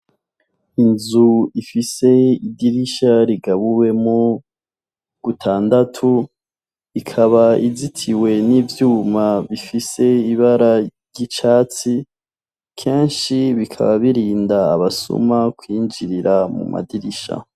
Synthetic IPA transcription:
inzuifise̞idiɾiʃaɾiɡaβuwe̞mu | ɡ̥utʰaːndatʰu | ikʰaβaizitʰiwe̞nivjuːmaβifise̞iβaɾaɾɟit͡ʃaːt͡si | kʰe̞ːnʃiβikʰa̰βaβiɾiːndaːβasṵmakwiːnd͡ʒiɾiɾamṵma̰diɾiʃa̰

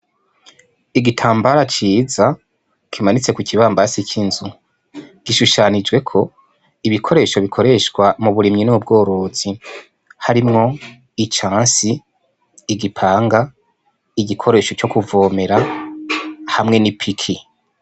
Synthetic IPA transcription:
iɡitʰaːmbaɾat͡ʃiːza | kʰimanit͡se̞kuciβaːmbasikʰinzu | ɡ̥iʃuʃaːnid͡ʒɡwe̞kʰo̞ | iβikʰo̞ɾe̞ʃo̞βikʰo̞ɾe̞ʃkwamuβuɾimɲinuubɡo̞ːɾo̞ːz̥i | haɾimŋo̞ | it͡ʃãːnsiː | ɡipʰaːŋɡa | iɡikʰo̞ɾe̞ːʃo̞t͡ʃo̞kuvo̞ːme̞ɾa | hamŋe̞nipʰikʰi

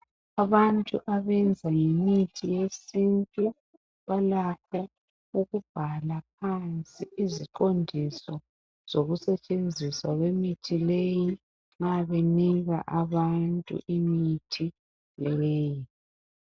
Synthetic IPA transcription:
aβantʼṵʔaβɛnd͡zʱaŋemitʰijesintʼu | βalakʰɔ | uɣub̥ʱalap̚ʰant͡sʼiiziǃondʱisɔ | z̥oɣusɛt͡ʃʼend͡zʱiswaɣwemitʰileji | ŋaβeniɣa̰ʔaβantʼṵʔimitʰi | leeːji

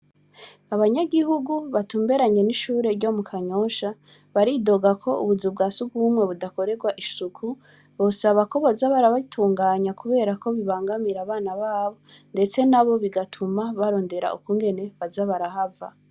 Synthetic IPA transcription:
aβaɲaɡihuɡuβatuːmbe̞ɾaɲe̞niʃuːɾe̞ɾɟo̞mukʰaɲo̞ːʃa | βaɾido̞ɡakʰo̞ṵβuzub̚ɡaːsuɡɡuːmŋe̞βudako̞ɾe̞ɡwaʔisukʰu | βosaβako̞βazaβaɾaβatʰuːŋɡaːɲakuβe̞ːɾakʰo̞βiβaːŋɡamiɾaβaːnaβaːβo̞ | nde̞t͡se̞naβo̞βiɡatʰumaβaɾo̞ːnde̞ɾa̰ʔṵkuːŋɡe̞ne̞βazaβaɾahava̰

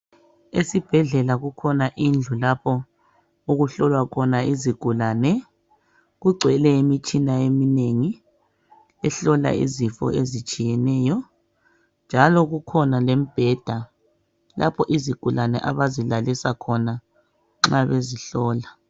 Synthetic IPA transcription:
esib̥ʱɛɮɛlaɣukʰɔnaʔind͡ɮʱulapʰɔ | uɣuɬɔlwakʰɔnaiziɡ̥ʱulanɛ | ɣuɡ͡ǀʱɛlɛimit͡ʃʼinaemineŋi | ɛɬɔla̰ḭzifɔ̰ʔezit͡ʃʼijɛnɛːjɔ | nd͡ʒʱalɔɣukʰɔnalem̩b̥ʱɛd̥ʱa | lʔa̰pʰɔʔiziɡ̥ʱulanɛ̰ʔaβazilalisakʰɔna | ŋ͡ǁaβeziɬɔːla

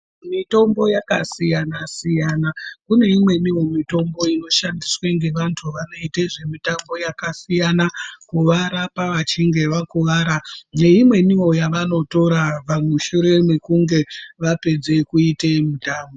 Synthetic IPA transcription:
mito̞mbo̞jakasijanasijanakune̞imwe̞niwo̞mito̞mbo̞ino̞ʃandisweŋɡe̞ʋantʰuʋano̞iteʐe̞mitambo̞jakasijanakuʋaɾapaʋat͡ʃiŋɡe̞ʋakuʋaːɾane̞imwe̞niwo̞jaʋano̞to̞ɾaʋamuʃuɾe̞mekuŋɡe̞ʋape̞d͡ze̞kuitemutaːmbo

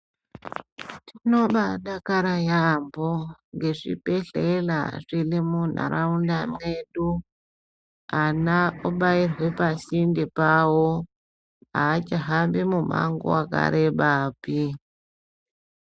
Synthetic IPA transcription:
tino̞ɓaɗakaɾajamboŋɡe̞ʐḭpeɬela̰ʐilimun̤a̰ɾaundameɗu | anauɓairwe̞pasindepawo | aːt͡ʃaɦambimuma̰ŋɡo̰waka̰ɾeɓaːpi

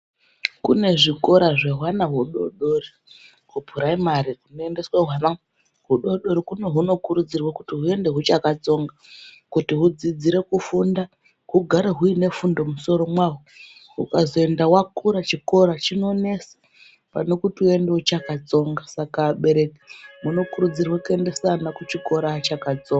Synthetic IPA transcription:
kṵne̞ʐiko̞ɾaʐeɦwanaɦuɗo̞̰ɗo̞ri | kupuɾaimaɾiɦunoe̞nde̞sweɦwana | ɦuɗo̞ɗo̞ɾikune̞ɦuno̞kuɾud͡zirwakutiɦue̞nde̞ɦut͡ʃakat͡so̞ŋɡa | kutiɦud͡zid͡ziɾe̞kufunda | ɦuɡʱaɾeɦuine̞fundo̞muso̞ɾo̞mwaɦu | ɦṵkazo̞e̞ndawakuɾat͡ʃiko̞ɾat͡ʃino̞ne̞se̥ | pa̰no̞kutiue̞ndeɦut͡ʃakat͡so̞ŋɡasakaɓe̞ɾe̞ki̥muno̞kuɾud͡zirwakue̞nde̞sanakut͡ʃiko̞ɾat͡ʃakad͡zoŋɡa

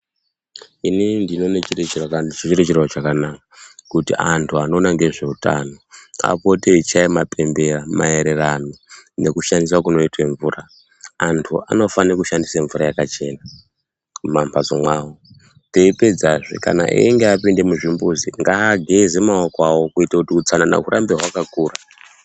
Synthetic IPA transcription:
inindino̞net͡ʃiret͡ʃert͡ʃit͡ʃiret͡ʃerwat͡ʃakanakakutiʔantʰuano̞ːnaŋɡe̞ʐe̞uta̰no̞a̰po̞teit͡ʃaimape̞mbe̞rama̰e̞ɾe̞ranone̞kuʃandis̬wakuno̞itweɱvuraː | ntʰua̰no̞fankuʃandiseɱvurajakat͡ʃe̞ːna | mampʰazo̰mwaːwo | teiped͡zaʐḭka̰na̰ʔḭeŋɡeapinde̞muʐimbuziŋɡaːɡʱezemaokwawokuitakutiut͡sanana̰ɦuɾʔambeɦwakakuːra

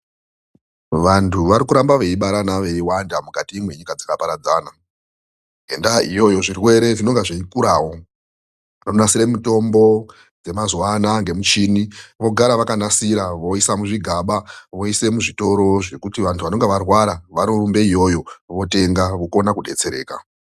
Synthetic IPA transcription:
ʋantʰuʋaɾikuɾambaʋe̞iɓaɾanaʋe̞iwandamukatiːmwe̞ɲikad͡zakapaɾad͡zaːna | ɦendaijo̞jo̞ʐirwe̞ɾe̞tino̞ŋɡeʐiikuɾaːwo̞ | nonasiɾemuto̞mbo̞ | d͡ze̞mazwanaŋɡe̞mut͡ʃiniʋo̞ɡʱaɾaʋakanasiɾaʋo̞isamuʐiɡʱaɓaʋo̞ise̞muʐito̞ɾo̞ʐe̞kutiʋantʰuʋano̞ŋɡeʋarwaɾaʋaɾombe̞ijo̞jo̞ʋo̞te̞ŋɡaʋoko̞nakuɗe̞̰t͡se̞ɾe̞̰ːka̰

